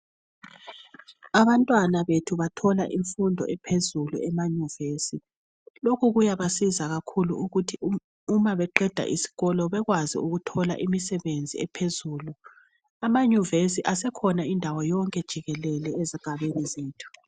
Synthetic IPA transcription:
aβantʼwanaβetʰuβatʰɔla̰ʔiɱfundʱɔ̰ʔɛpʰezulṵɛmaɲuvesi | lokʰuɣujaβasizaɣakʰulṵuɣutʰi | umaβɛǃɛd̥ʱa̰ʔisi̥ɣɔlɔβɛɣwazḭuɣutʰɔla̰ʔimisɛβend͡zʱḭɛpʰezuːlu | amaɲuvesiʔasɛkʰɔnaindʱawɔjɔŋkʼɛd̥ʒ̥ʱiɣɛlɛlɛeziɡ̥ʱaβenizeːtʰu̥

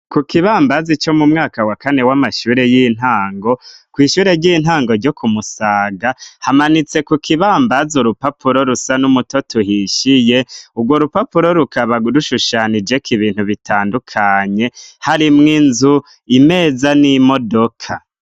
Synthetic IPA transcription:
kukiβaːmbazit͡ʃo̞mumŋaːkawakane̞wamaʃuːɾe̞jin̥aːŋɡo̞kwiːʃuːɾe̞ɾɟin̥haːŋɡo̞ɾɟokʰumusaːɡahamanit͡se̞kukʰiβaːmbazuɾupapʰuɾo̞ɾusanumuto̞tuhiʃije̞ubɡwoɾupapuɾo̞ɾukaβaɾuʃuʃanid͡ʒe̞kʰiβiːn̥huβitʰaːndukʰaɲe̞haɾimŋinzu | ime̞ːzanimo̞do̞kʰa

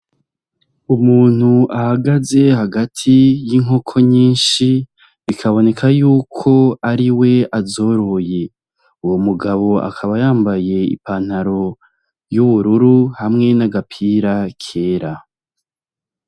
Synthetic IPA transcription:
umuːn̥huʔahaɡaze̞haɡatʰijiŋɦo̞kʰo̞ɲiːnʃi | βikʰaβo̞ne̞kʰajuːkʰo̞aɾiwe̞azo̞ɾo̞je̞ | uwomuɡaβo̞a̰kʰaβajaːmbaje̞ḭpan̥haɾo̞ | juβuɾuɾuhamŋe̞naɡapʰiːɾakʰe̞ːɾa

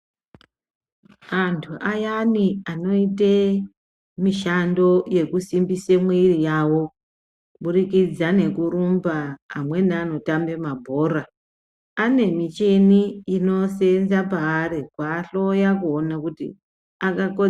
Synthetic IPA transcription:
antʰuʔajaniano̞ite | miʃando̞je̞kusimbisemwirijawo̞ | kuɓurikid͡zane̞kuɾumbaːmwe̞niano̞tambe̞mabʱo̞ra | ane̞mit͡ʃeniːno̞senzapaːrekwaːɬo̞jakuonakutḭ | akako

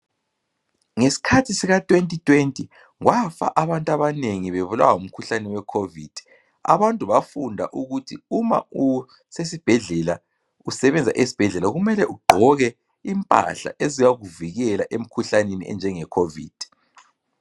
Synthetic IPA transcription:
ŋesi̥kʰatʰisiɣatʼwentʼitʰʼwentʼi | ŋwafa̰ʔaβantʼaβaneŋiβeβula̰waum̩kʰuɬanɛwɛkʰovid̥ʱi̥ | a̰βantʼuβafundʱa̰ʔuɣutʰiuma̰u | sesib̥ʱɛɮɛla | usɛβɛnd͡zʱa̰ʔesi̥b̥ʱɛɮɛlaɣumɛlɛʔuɡ͡ǃʱɔɣɛ | impʼa̰ɬa̰ʔezijaɣuviɣɛlaʔem̩kʰuɬaneniʔɛ̰nd͡ʒʱɛŋɛkʰovḭːd̥ʱi

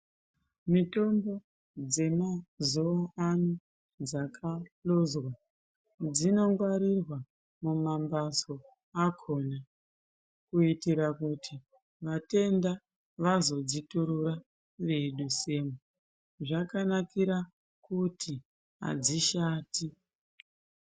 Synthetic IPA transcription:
mito̞mbo̞ | d͡ze̞mazoanu | d͡zakʰalozwa | d͡zino̞ŋɡwaɾirwa | mumambaso̞ | akʰo̞na | kuitiɾakutʰi | ʋate̞nda | ʋazo̞d͡zituɾura | ʋe̞ɗuse̞ːmu | ʐakanakiɾa | kutʰi | ɦa̰d͡ziʃaːti

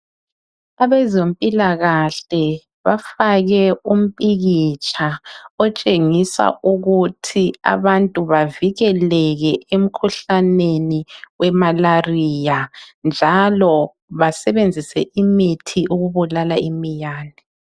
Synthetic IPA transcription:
aβɛzompʼilaɣaɬɛ | βafaɣɛum̩pʼiɣit͡ʃʼʰaɔt͡ʃʼeŋisa̰ʔuɣutʰia̰βantʼuβaviɣɛlɛɣɛʔem̩kʰuɬaneniwɛmalarijand͡ʒʱalɔ | βasɛβend͡zʱisɛʔimitʰiuɣuβulalaimijaːni

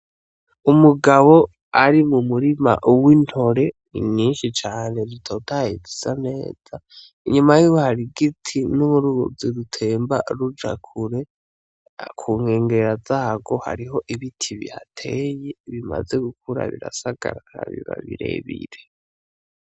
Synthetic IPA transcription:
umuɡaβo̞ | aɾimumuɾima̰ʔuwin̥ho̞ɾe̞ | iɲiːnʃit͡ʃaːne̞ɾitʰo̞tʰajezizane̞̰ːz̥a | iɲumajuːwohaɾiɡitʰinumuɾuɡoziɾutʰe̞ːmba̰ɾud͡ʒa̰kʰuɾe̞ | kʰuŋe̞ːŋɡeɾazaːɡo̞ha̰ɾiɦo̞ʔiβitʰiβḭhatʰe̞je̞βima̰ze̞ɡuk̚ʰuɾa̰βḭɾasaɡ̥aɾaaβḭβa̰βiɾe̞̰βḭɾe̞

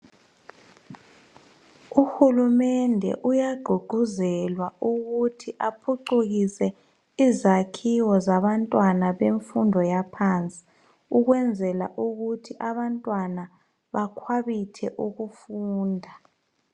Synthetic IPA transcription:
uxulumɛndʱɛ̰ʔujaɡ͡ǃʱuɡ͡ǃ̥ʱuzɛlwauɣutʰiʔapʰuǃuɣisɛ | izakʰiwɔzaβantʼwanaβeɱfundʱɔjapʰant͡sʼi̥ | uɣwɛnd͡zʱɛla̰ʔuɣutʰiʔaβantʼwana | βakʰwaβitʰɛʔuɣufuːndʱa

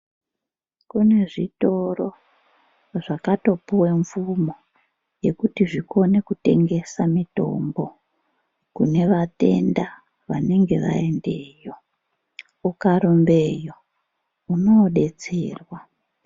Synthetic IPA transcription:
kune̞ʐito̞ro | ʐakato̞puwe̞ɱfumo | je̞kutiʐiko̞ne̞kute̞̰ŋɡe̞samito̞̰mbo̞ | kune̞ʋate̞̰nda | ʋa̰ne̞ŋɡe̞ʋa̰ende̞ːjo̞ | ukaɾumbe̞jo̞ | uno̞ɗet͡sḛːrwa

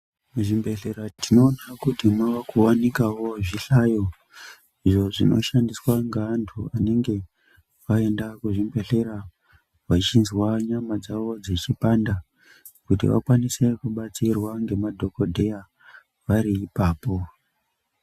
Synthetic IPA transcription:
muʐimbe̞ɬeɾatino̞ːnakutimwawakuwanikawo̞ʐiɬajo̞ | iʐo̞ʐino̞̰ʃandiswaŋɡaːntʰuane̞ŋɡe̞ | ʋae̞ndakuʐimbe̞ɬe̞ɾa | ʋat͡ʃinzwaɲamad͡zaʋo̞d͡zet͡ʃipanda | kutḭʋa̰kwanise̞kuɓat͡sirwaŋɡe̞madʱo̞ko̞dʱe̞ja | ʋaɾiːpaːpo̞

